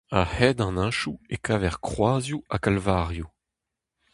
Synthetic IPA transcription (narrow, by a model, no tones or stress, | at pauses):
ahɛd̪ɑ̃nãʃuekʰaːvɛʁkχwaːzjuakalvaʁju